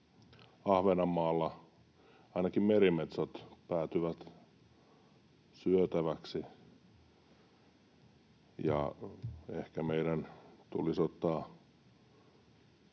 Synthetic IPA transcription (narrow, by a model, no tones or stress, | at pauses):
ɑhʋenɑmːɑːlːɑ | ɑinɑkimmerimet̪sɑt̪pæːt̪yʋæt̪ | syøt̪æʋæksi | jɑ̰ | ehkæmeiɾænt̪ulisot̪ːɑː